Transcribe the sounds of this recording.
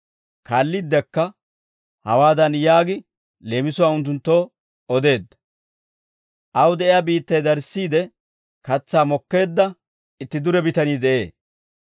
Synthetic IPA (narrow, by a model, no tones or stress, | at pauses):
kaːlːid̪ːɛkːɐ | hɐ̰waːd̪ɐnjaːɡɪ | le̞ːmɪsʊwaːʊnt̪̬ːʊnt̪ːo̞ː | ɔd̪e̞ːd̪ːɐ | ʔɐwd̪ɛʔɪjabiːt̪ːɐjd̪ɐɾsːiːd̪ɛ | kɐt͡sːaːmɔkːe̞ːd̪ːɐ | ɪt̪ːɪd̪ʊɾɛbɪt̪ɐniːd̪ɛʔe̞ː